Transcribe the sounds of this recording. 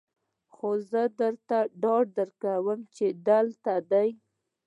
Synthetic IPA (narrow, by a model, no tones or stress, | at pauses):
xozəd̪əɾt̪aɖɑɖ̚d̪əɾkawəmt͡ʃed̪alt̪ad̪aj